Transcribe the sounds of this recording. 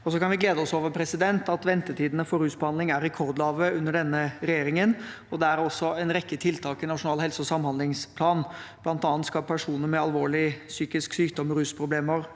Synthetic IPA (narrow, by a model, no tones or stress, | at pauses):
ɔsɔkɑnʋɪɡleːd̪əɔsoːʋəɾpʰɾɛsɪd̪ɛnt̪ɑt̪ʋɛnt̪ət̪ʰiːd̪ənəfɔɾʉːsbɔhɑnd̪ɪŋæɾɛkʰɔɾd̪lɑːʋəʉnːəɖɛnːəɾɛjeːɾɪŋən | ɔd̪ɛæɾɔsːɔɛnɾɛkːət̪ʰɪlt̪ʰɑːkɪnɑʂʊnɑːlhɛlsəɔsɑmːhɑnd̪lɪŋspʰlɑːnb̥̪ɑnt̪ɑːɑnt̪skɑpʰæʂuːnəɾmɛɑlʋoːɭɪsyːkɪsksyːkd̪ɔməɾʉːspʰɾʊbleːməɾ